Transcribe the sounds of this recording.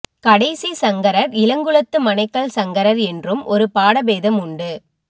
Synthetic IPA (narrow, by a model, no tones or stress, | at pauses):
kɐɽɐɪsisɐŋɡɐɾɐɾɪlɐŋɡɯɭɐt̪ːɯmɐnɐɪkːɐɭsɐŋɡɐɾɐɾɛndrɯmʔɔɾɯpaːɽɐʋeːðɐmʊɳɖɯ